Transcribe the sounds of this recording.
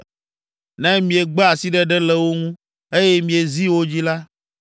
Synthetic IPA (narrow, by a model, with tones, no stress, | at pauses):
nɛ̃˦mĩ˨e˨ɡ͡bɛ˦a˨si˦ɖɛ˦ɖɛ˦lɛ˦wo˦ŋũ˦ | e˦jɛ˦mĩ˨e˨zi˦wo˦d͡ʑi˦la˦